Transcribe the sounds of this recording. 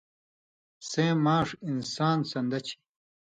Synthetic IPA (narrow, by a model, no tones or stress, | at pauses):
sẽːmaːʂinsaːnsɐnd̪ɐt͡ɕʰi̥